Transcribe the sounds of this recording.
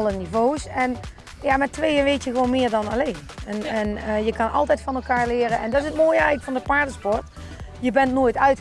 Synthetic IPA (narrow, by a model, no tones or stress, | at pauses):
lˠənivowsɛn | jamɛtʋejənʋejtjəɣəʋownmɪːɹdɑnɑlejnɛnɛnjəkɑnɑ̰lˠtɛjtfɑnɛlˠkaːɹlɪːrəʔɛndɑtɪsətmoːjəɛjɣləkfɑndəpaːɹdəspɔɹt | jəbɛntnoːjtœɥt